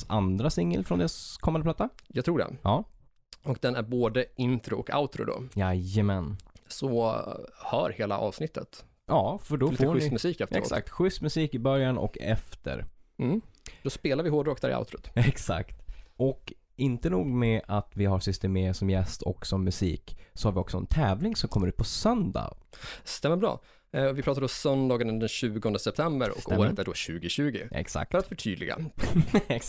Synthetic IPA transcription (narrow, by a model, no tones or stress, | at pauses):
sand̪ɾasɪŋːəlfɾɔnd̪eːɾaskʰɔmːanəplat̪ːajɑɡt̪ʰɾuːɖɛ̰nhɑː | ɔk̚d̪ɛnæɾboːd̪əʔɪnt̪ɾʊɔka̰ʊt̪ɾʊ̰d̪ɔ̰jajəmɛnsɔ | hœ̰ːɾheːla̰ʔɑ̰ːvsnɪt̪ʰːə̰t̪ | ʔɑːfœɖɔlifɧnʏst̪mɵsiːkɛft̪əɛɾsa̰k̚t̪ɧʏst̪mɵsiːkɪbœɾjanɔ̰kɛ̰ft̪ʰə̰ɾm̩d̪ɔspeːlaɾvɪɦoːɖɾoːkd̪aɾɪ̰a̰ʊt̪ɾʊt̪ɛksa̰kt̪ʔɔk | ɪnt̪ənuːɡmɛʔat̪vɪɦasʏst̪əmeːsɔmjɛst̪ʰɔ̰ksɔmːɵsḭːksɔhaɾvɪɔksɔɛ̰nt̪ʰɛːvlɪŋsɔmkʰɔmːəɾʉ̟ːt̪pʰɔsœnd̪a̰st̪ɛmːəɾbɾɑ̰ː | vɪpʰɾɑːt̪ad̪ɔsœnd̪ɑːɡənəd̪ɛnɕʉ̟ːɡɔnd̪əsɛp̚t̪ʰɛmbəɾɔ̰koːɾət̪æɖɔɕʉ̟ːɡɪɕʉ̟ːɡɪ̰ʔɛ̰ksa̰k̪̚ɾat̪fœʈʰy̰ːd̪lɪɡa̰ | ɛ